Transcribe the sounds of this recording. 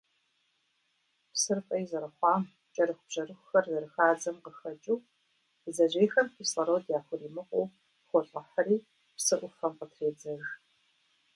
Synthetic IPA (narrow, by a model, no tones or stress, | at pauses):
psɨrpʼɐjzɐɾɐχʷɑːm | t͡ʃʼɐɾɨxʷʊb̥ʒ̥ɐrɨxʷʊxɐrzɐɾɨxaːd͡zɐmqəxɐt͡ʃʼuː | zɐʑʷeːxɐmfʰisɐɾoːdjaːħʷʊriːmɨqʷʼow | χʷɔɬʼɐħɐriː | psɨʔʷʊfɐmqətʰreːd͡zɐɣ